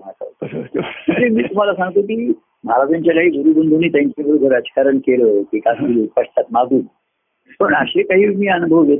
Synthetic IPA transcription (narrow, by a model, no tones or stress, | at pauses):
aka̰ | məɳd͡ʑemiːt̪um̤alasãŋɡt̪ok̬iː | m̤aɾad͡ʑaɲt͡ɕalaɦiːɡuɾuːbənd̪ʱuniːt̪jãɲt͡ɕabʱəɾuɡ̪ʱəɾəd͡ʑi̥kaɾəɳkeləːʋikasɡiluːspəʂt̪at̪maɡuːn | pəɳəɕekaɦiːmiːənubʱəʋje